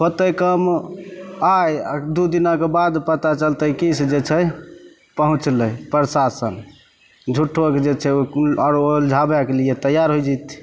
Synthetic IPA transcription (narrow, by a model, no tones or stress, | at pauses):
pət̪ekəm | ajad̪ud̪inakebad̪pət̪at͡ʃəlt̪əkisd͡ʒet͡ʃʰɛ | pəɦũt͡ʃləpɾsasən | d͡ʒʱuʈʰʋəked͡ʒet͡ʃʰɛoaɾold͡ʒʱabakelijet̪əjaɾɦojd͡ʒit̪